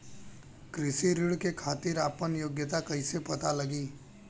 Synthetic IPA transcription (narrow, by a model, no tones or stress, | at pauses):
kɾɪsiɾɪɽkekʰaːt̪iɾaːpənjoːɡjət̪akɐisepɐt̪alɐɡiː